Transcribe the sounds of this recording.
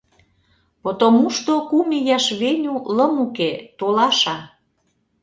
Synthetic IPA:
pot̪omuʃt̪okumijɑʃβenʲulə̆muket̪olɑʃɑ

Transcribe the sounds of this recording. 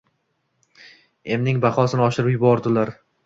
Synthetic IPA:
e̞mnɪŋbaχɒsɪnɪɒʃɪɾɪpjʊbɒɾd̪ɪlaɾ

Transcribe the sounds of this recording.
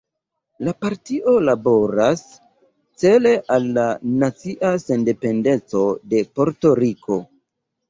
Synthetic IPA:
lapaɾtiʔo̞labo̞ɾas | t͡se̞le̞ʔalːanat͡siʔase̞nde̞pe̞nde̞t͡so̞de̞po̞ɾto̞ɾikʰo̞

